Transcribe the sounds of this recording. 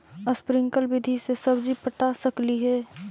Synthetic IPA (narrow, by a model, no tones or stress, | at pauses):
əspɾɪ̃ŋkəlbɪd̪ʱisesɐbd͡ʒipəʈasəkliɦɛː